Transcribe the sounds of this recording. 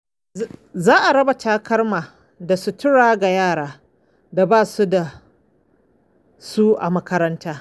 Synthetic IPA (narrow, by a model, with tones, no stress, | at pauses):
zaː˦ʔa˨ɾɐ˦ba˨taː˦kɐ˦rmaː˨ | da˨su˨tɪ˦ɽaː˦ɡa˨jaː˦˨ɽaː˦ | da˨baː˦˨su˦da˨ | su˦ʔa̰˨mɐ˦kɐ˦ɾɐ˦ntʰaː˦